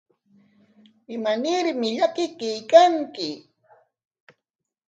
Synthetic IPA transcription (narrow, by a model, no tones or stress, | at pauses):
ɪmanɪɾmɪʎakɪkajkaŋkɪ